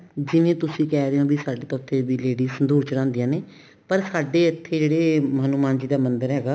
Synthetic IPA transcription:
d͡ʒɪʋẽːt̪ʊsĩːkɛːɾeõːbiːsaːɖeːt̪ɔːɾt̪ʰeːbiːleːɖiːsənd̪uːɾt͡ʃɾãːnd̪ijãːneː | pəɾsaːɖeːət̪ʰːeːd͡ʒeːɽeːməːnuːmaːnd͡ʒiːd̪aːmənd̪əɾɦɛːɡaː

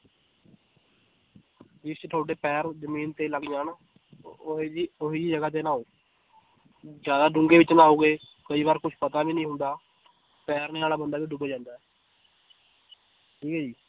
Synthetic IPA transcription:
d͡ʒɪst͡ʃʈ̪ʰoːʈeːpɛːɾzəmiːnt̪eːləɡd͡ʒaːnː | ioɦiːd͡ʒiːd͡ʒəɡaːt̪̬eːnãːoː | d͡ʒjaːd̪aːɖʊ̃ŋɡeːʋɪt͡ʃnaːoːɡeː | kəiːbaːɾkʊt͡ʃʰpət̪aːbiːnəĩːɦʊnd̪aː | pɛːɾneːaːlaːbənd̪aːʋiːɖʊbːd͡ʒãːnd̪aːɛː | ʈʰiːkɛːd͡ʒiː

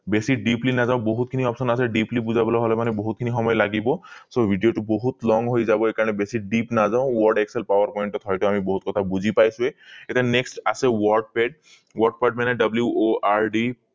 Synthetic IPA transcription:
besiɖiplinazaʊ̃boɦut̪̚kʰiniɔpsɔnasɛɖiplibuzabɔlaɦɔlɛmanɛboɦut̪̚kʰinixɔmɔjɔlaɡibɔsobʱiɖijoʈuboɦut̪lɔŋɡɦojzabɔekaɹɔnɛbesiɖipnazaʊ̃wɔɹɖekselpawaɹpɔjnʈɔt̪ʰɦɔjʈʊamiboɦut̪̚kɔt̪ʰabuzʱipajsʊ̃eetianeksʈasɛwɔɹɖ̚pɛɖ̚ | wɔɹɖ̚paɖ̚manɛɖʌbljuʔoʔaɹɖi

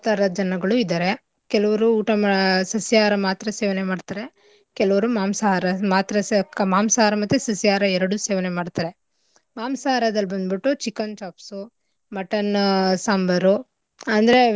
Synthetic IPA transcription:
t̪ɐɾɐd͡ʒɐnɐɡɐɭuid̪aːɾe | kɛlɐʋɐɾuːʈɐsɐsijaːɾɐmaːt̪ɾɐseːʋɐnemaːɖt̪aːɾe̞ | kɛlɐʋɐɾumaːmsɐaɾɐmaːt̪ɾɐmaːmsɐɦaːɾɐmɐt̪ːusɐsijaːɾɐɛɾɐɽuseːʋɐnemaːɖt̪aɾe | maːmsɐaːɾɐd̪ɐlːbɐnd̪biʈːut͡ʃikːɐnt͡ʃaːpsu | mɐʈɐnsaːmbɐɾu | ɐnd̪ɐɾe

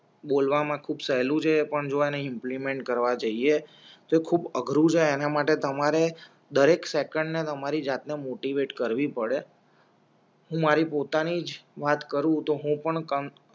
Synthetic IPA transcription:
ɓolʋamãkʰubsəɦlũt͡ʃʰepəɳd͡ʒoeneɪmplimẽɳʈ̚kəɾʋad͡ʒəie | t̪oekʰubəɡʱɾũd͡ʒʰeːnamaʈet̪əmaɾe | d̪əɾeksekəɳɖnet̪əmaɾid͡ʒat̪nemoʈiʋeʈkəɾʋipəɽe | ɦũmaɾipot̪anid͡ʒʋat̪kəɾũt̪oɦũpəɳkə

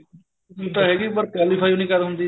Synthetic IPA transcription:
t̪aɦeːɡipəɾkɛːlɪfʰaːjoːnĩkalɦʊ̃nd̪iː

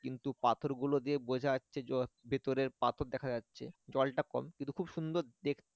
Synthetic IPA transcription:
kint̪upat̪ʰoɾɡulod̪iebod͡ʑʱaasɕʰebʱet̪oɾeɾpat̪ʰoɾd̪ɛkʰad͡ʑatːɕʰḛd͡ʑɔlʈakɔ̰mkint̪ukʰubʃund̪oɾd̪ek̪ʰ

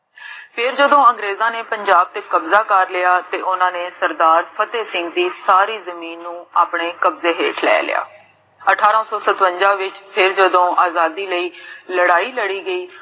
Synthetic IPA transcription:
pʰɪɾd͡ʒəd̪õːəŋɡɾeːzãːneːpəɲd͡ʒaːb̚t̪eːkəbzaːkəɾlɪaːt̪eːʔʊnãːneːsəɾd̪aːɾpʰət̪eːsɪŋɡd̪iːsaːɾiːzəmiːnːũːaːpɳeːkəbzeːɦḛːʈʰlɛ̰ːlɪ̰ja̰ː | əʈʰaːɾãːsɔːsət̪ʋəɲd͡ʒãːʋɪt͡ʃpʰɪɾd͡ʒəd̪õːʔaːzaːd̪iːləiːləɽaːiːləɽiːɡəiː

